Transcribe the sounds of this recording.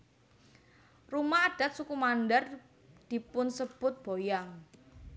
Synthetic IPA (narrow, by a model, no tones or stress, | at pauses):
rumaːɖ̥a̤t̪̚sukumanɖər | d̪̥i̤pʊnsəb̥ʊt̪̚b̥ojaŋ